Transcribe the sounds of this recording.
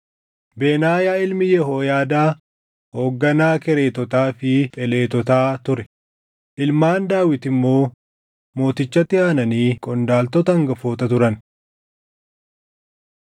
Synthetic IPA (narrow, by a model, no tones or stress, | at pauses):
be̞ːnaːjaːɪlmɪjɛɦoːjaːd̪aː | ho̞ːɡːɐnaːkɛɾeːt̪ɔt̪aːfɪt̪ʼɛle̞ːt̪ɔt̪aːt̪ʊɾɛ | ʔɪlmaːnd̪aːwɪt̪ɪmːo̞ː | mo̞ːt̪ɪt͡ʃːɐt̪ːɪaːnɐniːkʼɔnd̪aːlt̪ɔt̪ɐɐŋɡɐfoːt̪ɐt̪ʊɾɐn